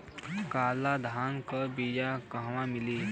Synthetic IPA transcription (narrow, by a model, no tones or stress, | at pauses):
kaːlad̪ʱaːnkəbid͡ʒakəɦʋãmɪliː